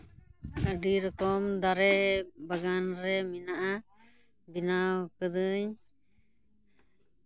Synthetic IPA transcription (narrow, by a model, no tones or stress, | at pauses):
əɖiɾɔkɔmd̪aɾɛbaɡanɾɛminaʔa | binawkəd̪ɯɲ